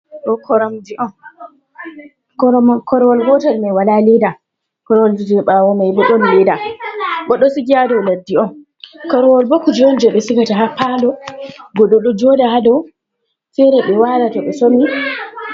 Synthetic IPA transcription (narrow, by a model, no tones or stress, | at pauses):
ɗɔkʰɔɾɔmd͡ʒiʔɔn | kɔɾɔmkʰɔɾɔwɔlɡɔtaɾmɛwalalɛda | kɔɾɔwɔld͡ʒid͡ʒɛɛɓawɔmajɓɔɗɔnlɛdaɓɔɗɔsiɡiadɔwladːiɔn | kɔɾɔwɔlbokːud͡ʒiɔnd͡ʒɛɓɛsikataɦapːalɔɡɔɗɔɗɔd͡ʒɔdahadɔ | sɛɾɛɓɛwalatɔɓɛsomi